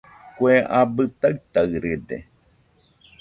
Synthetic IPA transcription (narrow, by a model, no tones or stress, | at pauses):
kweʔabɨt̪aɨt̪aɨɾɨd̪ḛ